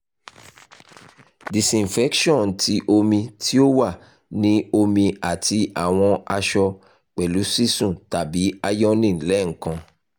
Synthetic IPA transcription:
di˨sĩ˨n˨fɛ˦kʃɔ̃˦˨n˨tʰi˨˦ʔo˧mĩ˧tʰi˦o˦wa˦˨ | nĩ˦o˧mĩ˧a˨ti˧a˨w̃ɔ̃˧a˧ʃɔ˧ | k͡pɛ˨lu˨˦si˦sũ˦˨ta˨bi˨˦a˧jɔ˦nĩ˦˨n̩˨lɛ˨˦ŋ̩˨kã˧

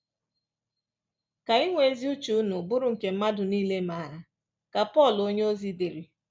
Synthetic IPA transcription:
ka˨i˦ŋʷe˦e˦zi˦u˦t͡ʃu˨˦nʊ˨bʊ˦ɾʊ˨ŋ̩˨ke˨m̩˦ma˦dʊ˨niː˦le˦ma˨˦˨ɾa˨ | ka˨pɔ˦˨lo˦ɲe˦o˦zi˦de˨ɾi˨

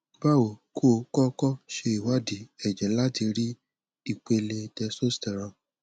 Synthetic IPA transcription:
ba˦wo˨kʰo˦˨˦kɔ˦kɔ˦ʃe˧i˨wa˨˦di˨ɛ˨d͡ʒɛ˨la˦ti˧ɾi˦ | i˦˨k͡pe˧le˧dɛ˧so˦stɛ˨ɾɔ̃˧˨

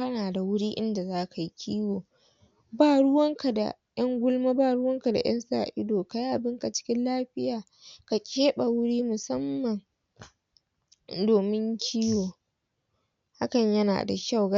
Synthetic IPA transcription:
ɐ˦naː˨da˨wʊ˦ɽiː˦ʔɪ˦nda˨zaː˦ka˨ji˦kʲʰiː˦woː˨ | baː˦˨ɽʊ˦wɐ˦ŋka˨da̰˨ | j̰ɐ˦ŋɡʷʊ˦lmaː˦baː˦˨ɽʊ˦wɐ˦ŋka˨da̰˨j̰ɐ˦nsa̰ː˨ʔɪ˦doː˨ka˨ji˦ʔa˨bɪ˦ŋka˨t͡ʃɪ̥˦kʲɪ˦nlaː˦ɸɪ˦jaː˨ | ka˨kʲʼeː˦ɓa˨wʊ˦ɽiː˦mʊ˨sɐ˦mːɐ˨ŋ | doː˨mɪ˦ŋkʲʰiː˦woː˨ | ha˦kɐ˨ɲjɐ˦na̰ː˨da̰˨ʃa˦˨wɡa˦

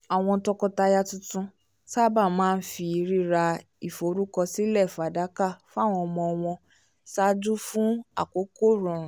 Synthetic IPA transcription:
a˨w̃ɔ̃˧tɔ˧kɔ˧ta˧ja˧tũ˦tũ˦ | sa˦ba˦˨mãː˦˧n̩˦fi˧i˧ɾi˦ɾa˧ | i˨fo˨˦ɾu˦kɔ˧si˦lɛ˦˨fa˨da˨˦ka˦˨fũ˦a˦˨w̃ɔ̃˧ɔ˧mɔ̃˧ɔ˧w̃ɔ̃˧ | sa˦d͡ʒu˦fũ˦a̰˦˨ko˨˦ko˦˨ɾũ˨ɾ̃ũ˨

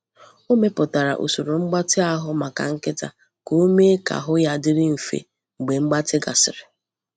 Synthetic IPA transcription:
o˦me˦pʊ˨ta˨ɾa̰˨ʔo̰˨su˨ɾo˨ŋ͡m̩˦ɡ͡ba˦tɪ˦a˦ɦʊ˦ma˨ka̰˨ŋ̩˦kɪ˦ta̰˨ | ko˨o˦me˦ka̰˨ɦʊ˦ja˦dɪ˦ɾɪ˦m̩˨fḛ˨ | ŋ͡m̩˨ɡ͡be˨ŋ͡m̩˦ɡ͡ba˦tɪ˦ɡa̰˨sɪ˨ɾɪ˨

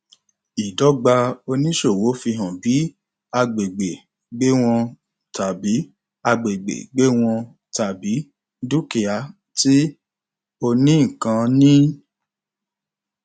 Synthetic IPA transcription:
i˨dɔ˨˦ɡ͡ba˧o˧nĩ˦ʃo˦˨wo˨˦fi˧ɦã˨bi˨˦ | a˧ɡ͡be˨ɡ͡be˨ | ɡ͡be˦w̃ɔ̃˧ | ta˨bi˨˦ | a˧ɡ͡be˨ɡ͡bḛ˨ɡ͡be˦w̃ɔ̃˧ | ta˨bi˨˦ | du˦ki˨a˧ | ti˦ | o˧nĩ˦ŋ̩˨kã˨˧nĩ˦

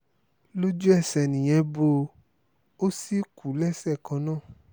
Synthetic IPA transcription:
lo˦d͡ʒu˦ɛ˦˨sɛ˨nĩ˨j̃ɛ̃˧bo˧ | o˦si˦ku˨˦lɛ˦sɛ˦˨kɔ̃˧˦nãː˦˨

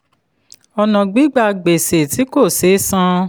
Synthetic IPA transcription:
ɔ˧nã˨ɡ͡bi˨˦ɡ͡ba˧ɡ͡be˨se˨ti˨˦ko˦˨se˨˦sã˦

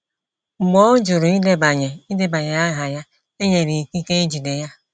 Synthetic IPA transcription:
ŋ͡m̩˨ɡ͡bɔ˦d͡ʒʊ˨ɾʊ˨i˦de˦ba˨ɲe˨i˦de˦ba˨ɲe˨a˦ɦa˨ja˦ | e˦ɲe˨ɾi˨ki˦ke˦i˦d͡ʒi˨de˨ja˦

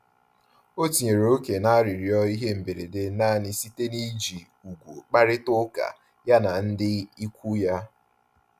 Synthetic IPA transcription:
o˦ti˨ɲe˨ɾo˨o˦ke˨na˦a˦ɾi˨ɾi˨ɔ˦i˦ɦe˦m̩˨be˨ɾḛ˨de˦na˦˨nɪ˦si˦te˦ni˦d͡ʒi˨ | u˨ɡʷo˨k͡pa˦ɾɪ˦tʊ˦ka̰˨ | ja˦na˨n̩˦dɪ˦i˦kʷu˦ja˦

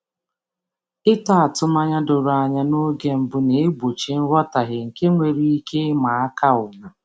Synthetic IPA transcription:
ɪ˦ta˦a˨tʊ˦ma˦ɲa˦dʊ˨ɾa˨ɲa˦no˦ɡe˦m̩˨bʊ˦ne˨e˦ɡ͡bo˨t͡ʃi˨n̩˦ɾɔ˦ta˨ɦɪ˨ŋ̩˨ke˦ŋʷe˨ɾi˦i˦ke˦ma˨a˦ka˦ʊ˨ma˨

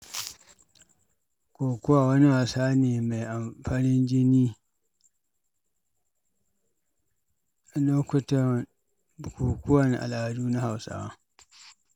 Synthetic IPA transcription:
kʷoː˨kʊ˦wa˦˨wɐ˦ni˦waː˨saː˦neː˨ma˨jʔa˨mɸaː˦nɪ˦nd͡ʒɪ˦niː˦ | a˨no˦kʷʊ˦ta˦˨ | ku˨kʊ˦wɐ˦nʔa̰˨la˨duː˦na˦ha˨wsa̰˦wa˦

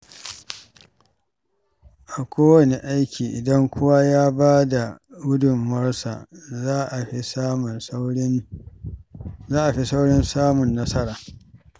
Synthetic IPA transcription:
ʔa˨kʷoː˦wɐ˨ne˨ʔa˦jkʲʰiː˨ʔɪ̰˨dɐ˦ŋkʷʊ˦wa˦jaː˦baː˦da˨wʊ˦dʊ˨mːɐ˦rsa̰˨˦ʔsm˨˦ | zaː˦ʔa˨ɸi˦sa˦wɽɪ˦nsaː˦mʊ˨nːɐ˦sɐ˦ɾaː˨

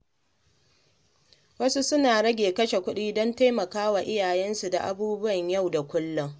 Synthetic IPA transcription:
wɐ˦su˦sʊ˦naː˨ɽɐ˦ɡʲeː˨kɐ˦ʃe˨kʷʊ˦ɗiː˦dɔ˦nta˦jmɐ˨kaː˦wa˨ʔɪ˦jaː˨jɛ˦nsu˨da̰˨ʔa˨buː˦bʊ˦wɐ˨ɲjɐ˦˨wda˨kʷʊ˦lːʊ˦ŋ

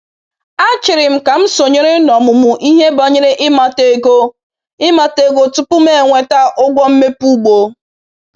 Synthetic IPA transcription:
a˦t͡ʃɪ˨ɾɪ˨m̩˦ka˨m̩˦so˨ɲɪ˦ɾɪ˦nɔ˨mʊ˨mʊ˨ʔi˦ɦe˦bɔ˨ɲɪ˦ɾɪ˦ʔɪ˦ma˨te˨ɡo˦ | ɪ˦ma˨te˦ɡo˦tʊ˦pʊ˦me˦˨ŋʷe˨ta˦ʔʊ˦ɡʷɔ˦m̩˦me˦pu˦ɡ͡bo˨

